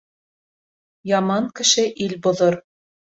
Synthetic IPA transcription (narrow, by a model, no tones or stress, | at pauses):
jɑmɑŋkɘ̆ʃɘʔilbŏðoɾ